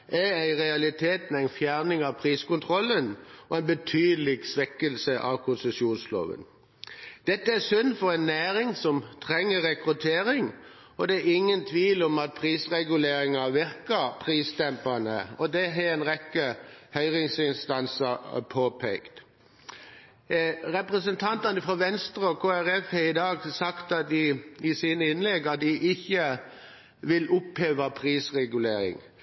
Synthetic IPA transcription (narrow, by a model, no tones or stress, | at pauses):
ʔææɪʁɛɑlɪt̪ʰeːt̪mɛæɪnfjæʁnɪŋɑʋpʰʁiːskʊnt̪ʰʁɔlːənɔæɪnbət̪ʰyːd̪lɪɡsʋɛkəlsəʔɑ̰ʋkʰʊnsəsuːnslo̰ːʋə̰n | d̪̥ɛt̪ːəæsʏnːfɔɾæɪnːæːɾɪŋsɔmt̪ʰɾɛŋːəʁɛkʁʉt̪ʰeːɾɪŋ | ɔd̪ɛæɾɪŋːənt̪ʰʋiːlɔmɑt̪̚pʰʁiːsʁɛɡʉleːɾɪŋɑʋɪɾkəpʰʁiːst̪ɛmpɑnə̰ɔd̪ɛɦɛɛnʁɛkːəhœʏʁɪŋsɪnst̪ɑnsəpʰoːpʰɛkt̪ | ʁɛpʁəsənt̪ʰɑnt̪ɑnəfɾɔʋɛnst̪ɾəɔkʰoːæʁɛfhɛɪd̪ɑːɡsɑkt̪ɑt̪̚d̪ɪɪsiːnəɪnlɛɡɑt̪̚d̪ɪʔɪçːə | ʋɪlʊpheːʋɑpʰʁiːsʁɛɡʉleːɾɪ̰ŋ